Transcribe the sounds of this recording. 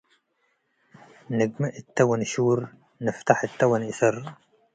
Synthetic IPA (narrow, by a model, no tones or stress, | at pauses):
nɪɡmɪʔɪt̪ːawanʃuːɾ | nɪft̪aħɪt̪ːawanʔɪθɪr